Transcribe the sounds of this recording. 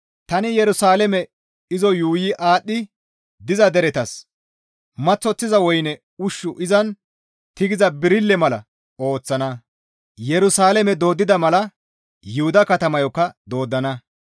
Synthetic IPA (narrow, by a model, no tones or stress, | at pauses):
t̪ɐnɪjɛɾʊsaːlɛmɛ | ɪzɔjuːjɪʔaːɗːɪ | d̪ɪzɐd̪ɛɾɛt̪ɐs | mɐt͡sːɔt͡sːɪzɐwɔjnɛ | ʊʃːʊʔɪzɐn | t̪ɪɡɪzɐbɪɾɪlːɛmɐlɐ | o̞ːt͡sːɐnɐ | jɛɾʊsaːlɛmɛd̪o̞ːd̪ːɪd̪ɐmɐlɐ | jʊhʊd̪ɐkɐt̪ɐmɐjɔkːɐd̪o̞ːd̪ːɐnɐ